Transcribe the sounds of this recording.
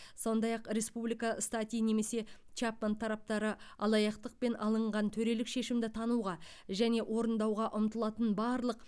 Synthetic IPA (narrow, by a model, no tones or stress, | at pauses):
so̞nd̪ɑjɑqɾe̞spublijkɑst̪at̪ʲijne̞me̞se̞ | t͡ʃapmant̪ʰːɑɾɑp̚t̪ɑɾəɑlˠɑjɑqt̪əq̚pe̞nɑ̰lˠəɴʁɑnt̪ʰɵɾe̞lɪkʃe̞ʃɪmd̪ɪt̪ʰɑnuʁɑ | ʒæne̞ʔwʔo̞ɾənd̪ɑwʁɑʔʊmt̪əlˠɑt̪ənbɑɾlˠəq